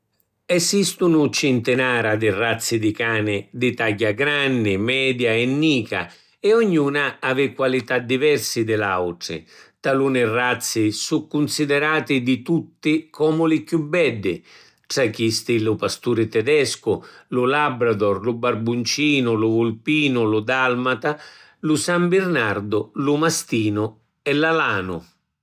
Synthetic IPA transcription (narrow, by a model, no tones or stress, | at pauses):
ɛsist̪ʊnʊt͡ʃɪnt̪ɪnaːɾad̪ɪrat̪sːɪd̪ɪkaːnɪd̪ɪt̪aɟːaɡɾanːɪmɛːd̪jaɛnːiːka̰ | ɛɔɲːuːnaavɪkːwalit̪ad̪ːivɛrsɪd̪ɪlawʈɾɪ̰t̪alunɪrːat̪sːɪsukːʊnsid̪ɛɾaːt̪ɪd̪ɪt̪ut̪ːɪkʰɔːmʊlɪkjubːɛɖːɪ | ʈɾakist̪ilʊpast̪uːɾɪt̪ɛd̪ɛskʊlʊlabɾad̪ɔrlʊbarbunt͡ʃiːnʊlʊvʊlpiːnʊlʊd̪almat̪a | lʊsambɪrnard̪ʊlʊmast̪iːnʊ | ɛlalaaːnʊ